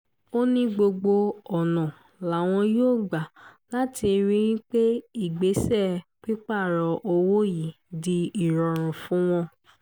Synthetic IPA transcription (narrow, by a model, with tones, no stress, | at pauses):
o˦nĩ˦ɡ͡bo˧ɡ͡bo˧ɔ˨nɔ̃˨ | la˨˦˨w̃ɔ̃˧joː˦˨ɡ͡ba˨la˦ti˧ɾĩ˦ɾĩ˦k͡pe˦i˦˨ɡ͡be˨˦sɛ˦˨k͡pi˦k͡pa˦˨ɾɔ˧ʔo˧wo˦ji˨ | di˧i˨ɾɔ˨ɾ̃ũ˨fũ˦w̃ɔ̃˧